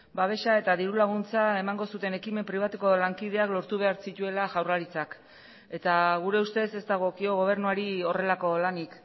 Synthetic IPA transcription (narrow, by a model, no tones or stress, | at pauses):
baβ̞e̞ʃae̞t̪aðiɾulaɣ̞unt͡sae̞maŋɡo̞sut̪e̞ne̞kime̞mpɾiβ̞at̪uko̞laŋkið̞e̞aklo̞ɾt̪uβ̞e̞aɾsit̪ue̞laʝawraɾit͡sak | e̞t̪aɣ̞uɾe̞ust̪e̞se̞zd̪aɣ̞o̞kio̞ɣ̞o̞β̞e̞ɾnuaɾio̞re̞lako̞lanik